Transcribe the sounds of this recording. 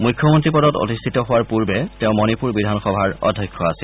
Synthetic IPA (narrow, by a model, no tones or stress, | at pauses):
mujkʰːɔmɔntɹipɔdɔto̰tist̪ʰitɔɦowaɹpuɹbɛtɛʊ̃mɔnipuɹbidʱanxɔbʱaɹɔ̰dʱːɔjkʰːɔasil